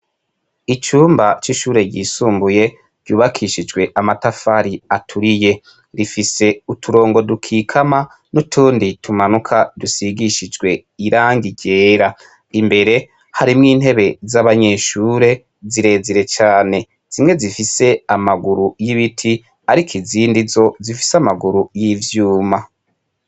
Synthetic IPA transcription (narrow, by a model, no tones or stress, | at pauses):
it͡ʃuːmbat͡ʃiʃuːɾe̞ɟiːsuːmbuje̞ | ɾɟ̥uːβakʰiʃid͡ʒɡwe̞ʔamatafaɾiatʰuɾije̞ | ɾifise̞utʰuɾo̞ːŋɡo̞dukʰiːkʰama | nutʰuːnditʰumanukʰadusiɡiʃid͡ʒɡwe̞iɾaːŋɡiɟe̞ːɾa | imbe̞ɾe̞ | haɾimŋiːn̥ɦe̞βe̞zaβaɲe̞ːʃuːɾe̞ | ziɾe̞ːziɾe̞t͡ʃaːne̞ | z̥imŋe̞zifise̞amaɡuɾujiβitʰi | aɾikʰiziːndizo̞zifi̥samaɡuɾujivjuːma